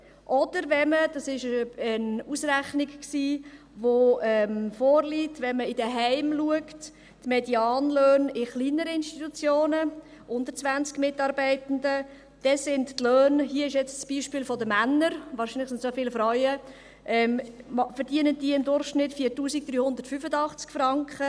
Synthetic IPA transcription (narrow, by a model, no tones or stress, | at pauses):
ʔɔd̥əɾvɛməd̥ɑsɪʃəənusɾæχnɪkksiː | ʋoɛmfɔːɾliːtʋɛnməɪdəɦɛɪmluəkt | tmɛdiɑːnløːnɪχliːnəɾəɪnʃtit̪ut͡sjoːnə | ʔʊndətt͡sʋænt͡skmɪtɑːɾbɛɪtəndə | d̥ɛsɪnttløːnhiəɪʃjɛt͡ssb̥iːʃpɪːlfodəmænːəɾvɑːɾʃinlɪχsɪntsofɪːlfɾɔʏə | ʔɛmmfəɾd̥iənəndiːɪmdʊrχʃnɪtfiːtuːsik̚d̥̪ɾyːhʊnd̪əɾtfyfədɑχt͡skfrɑŋkχə